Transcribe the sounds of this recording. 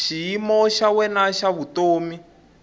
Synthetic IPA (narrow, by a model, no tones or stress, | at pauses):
ʃijimɔʃawɛnaʃaβutoːmi